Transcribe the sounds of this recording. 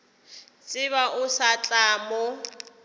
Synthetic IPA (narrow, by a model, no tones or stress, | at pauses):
t͡sʼɪβaʔʊsat͡ɬʼaːmɔ